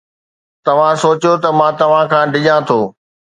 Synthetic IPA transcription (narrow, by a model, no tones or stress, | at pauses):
t̪ɐʋ̤ãsoːt͡ɕjot̪ɐmãt̪ɐʋ̤ãkʰãːɖɪʄãt̪ʰoː